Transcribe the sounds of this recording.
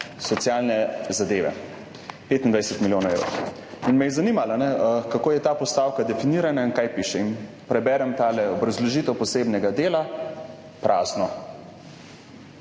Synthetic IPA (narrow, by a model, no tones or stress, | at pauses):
sɔt̪sjaːlnɛzad̪eːʋɛ̰ | pet̪ind̪ʋajsɛt̪miljoːnaewɾ̰ | inmɛjɛzanimalanɛkakoːjɛt̪aːpɔst̪aːwkad̪ɛfiniːɾanainkaːjpiʃɛin | pɾɛbɛːɾɛmt̪alɛɔbɾazlɔʒiːt̪ɛwpɔseːbnɛɡad̪eːla | pɾʔaːznɔ